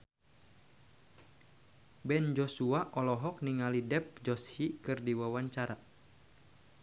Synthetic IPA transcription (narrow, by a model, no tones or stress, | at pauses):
bɛnd͡ʒɔsuaʔɔlɔɦɔk̚niŋalidɛp̚d͡ʒɔshikɨrdiwawaɲt͡ʃaɾa